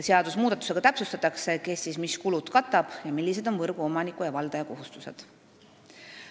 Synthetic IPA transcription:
seɑd̪̥usmuːd̪̥ɑt̪u̥se̞ɡ̥ɑt̪æpsust̪ɑt̪ːˑɑkse̞ke̞hst̪siːsmiskulud̪kɑt̪ːˑɑb̥jɑmilːise̞d̪̥o̞nvɤrɡ̥uo̞mɑnikujɑvɑld̪̥ɑjɑko̞ɦust̪use̞d̪̥

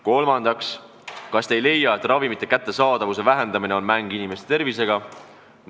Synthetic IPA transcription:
ko̞lmɑnd̪̥ɑks | kɑst̪ejle̞jɑe̞t̪ˑrɑvimit̪ːˑekæt̪ːe̞sɑːd̪̥ɑvuse̞væɦe̞nd̪ɑmine̞o̞nmæŋɡ̥inimest̪et̪e̞rvise̞ɡ̥ɑ

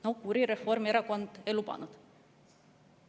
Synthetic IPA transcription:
nowkuɾiɾe̞fo̞rmeɾɑko̞nd̪̥e̞jlupɑ̰nud̪̥

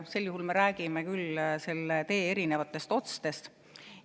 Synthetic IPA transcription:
se̞ljuhulme̞ɾæːɡimekylse̞lːet̪e̞ːe̞ɾine̞vɑt̪ːˑe̞st̪o̞t̪st̪e̞st̪

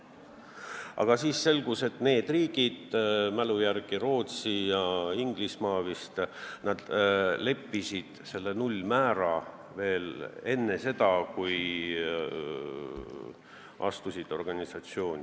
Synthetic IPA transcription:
ɑ̰ɡ̥ɑsiːsse̞lɡ̥use̞t̪ne̞ːd̪̥riːɡ̥id̪̥mælujærɡ̥iɾo̞ːt̪sijɑiŋɡ̥lismɑːvist̪nɑd̪̥le̞pːisid̪̥se̞lːe̞nulʲːmæːɾɑ | ve̞ːle̞nːe̞se̞d̪̥ɑkuj | ʔɑ̰st̪usid̪̥o̞rɡ̥ɑnʲisɑt̪sio̞ːnʲi

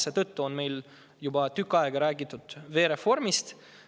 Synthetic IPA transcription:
set̪ɤt̪ːuo̞nme̞jl | jubɑt̪ykːˑɑeɡ̥ɑɾæːɡit̪ːˑud̪̥ve̞ːɾe̞fo̞rmist̪

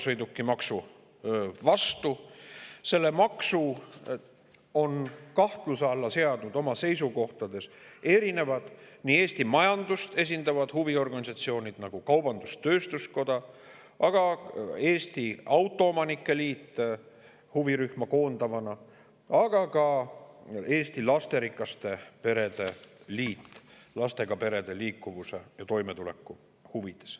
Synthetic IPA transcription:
sɤ̞jd̪ukːimɑksu | vɑst̪u | se̞lːe̞mɑksu | o̞nkɑht̪luseɑlːɑse̞ɑd̪̥nud̪o̞mɑse̞jsuko̞ht̪ɑd̪e̞se̞ɾine̞vɑd̪̥ | niːe̞ːst̪imɑjɑnd̪̥ust̪e̞s̬ʲind̪̥ɑvɑd̪̥huvio̞rɡ̥ɑnʲisɑt̪sio̞ːnʲid̪̥nɑɡ̥ukɑwb̥ɑnd̪̥ust̪ø̞ːst̪usko̞d̪̥ɑ | ʔɑɡ̥ɑe̞ːst̪iɑwt̪ːˑo̞omɑnikːˑe̞liːt̪ː | huviɾyhmɑko̞ːnd̪̥ɑvɑnɑ | ɑɡ̥ɑkɑ | e̞ːst̪ilɑst̪e̞ɾikːˑɑst̪e̞pe̞ɾe̞d̪e̞liːt̪ːˑlɑst̪e̞ɡ̥ɑpe̞ɾe̞d̪e̞liːkːˑuvuse̞̰jɑt̪o̞jmet̪ule̞kːˑu | huvid̪̥e̞̥s

